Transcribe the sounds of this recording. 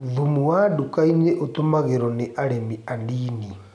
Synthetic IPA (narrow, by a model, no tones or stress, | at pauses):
ðumuwadukaineʔotomaɣeɾɔneʔaɾemiandiːni